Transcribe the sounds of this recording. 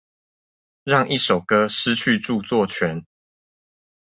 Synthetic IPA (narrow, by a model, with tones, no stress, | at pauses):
ɻɑ˥˨ŋi˥˩ʂo˨˩ʊkɤ˦ʂɻ̩˦t͡ɕʰy˥˧ʈ͡ʂu˥˧t͡swɔ˥˨t͡ɕʰɥɛ˨˦n